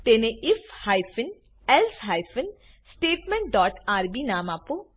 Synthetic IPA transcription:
t̪eːnẽɪfhaːjfʰən | ɛlsɦaːjfʰən | sʈeːʈmẽɳʈ̚ɖɔːʈaːɾbiːnaːmaːpo

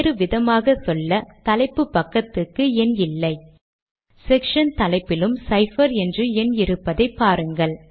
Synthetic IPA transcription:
ɾɯʋɪðɐmaːɣɐsɔlːɐt̪ɐlɐɪpːɯpːɐkːɐt̪ːɯkːɯɛnɪlːɐɪ | sɛkʂɐnt̪ɐlɐɪpːɪlɯmsɐɪfɐɾɛndrɯɛnɪɾɯpːɐðɐɪpːaːɾɯŋɡɐɭ

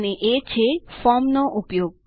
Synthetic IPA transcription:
neʔet͡ɕʰefɔmnoʔupjoɡ̚

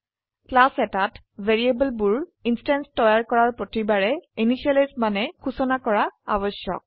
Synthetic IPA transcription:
klasɛtat | vʱeɹiebəlbuɹinstanstɔjaɹkɔɹaɹpɹotibaɹɛinisalismanɛkʰusɔnakɔɹaabɔsjɔ̰k̚

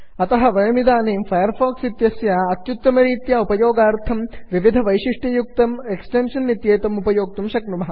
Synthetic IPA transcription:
ɐt̪ɐɦɐʋɐɻɐmid̪aːneːmfɐjɐɾfoːksit̪jɐsjaːɐt̪jut̪ːɐmɐɾiːt̪jaupɐjoːɡaːɾt̪ʰɐmʋiʋid̪ʱɐʋɐjʃiʂʈijuk̚t̪ɐmeksʈenʂɐnːit̪jeːt̪ɐmupɐjoːk̚t̪umʃɐknumɐɦɐ

